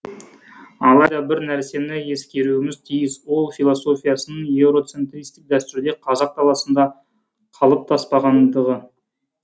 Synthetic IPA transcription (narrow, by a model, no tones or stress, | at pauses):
ɑlˠɑjd̪ɑbɪɾnæɾse̞nɪe̞skʲe̞ɾuɪmɪzt̪ʰijɪswo̞lˠfilˠoso̞fʲijasənəɴe̞wɾo̞t̪se̞nt̪ɾist̪ɪk̚d̪æst̪ʏɾd̪e̞qʰɑzɑq̚t̪ʰɑlˠɑsənd̪ɑ | qʰɑlˠəp̚t̪ʰɑspɑʁɑnd̪əʁə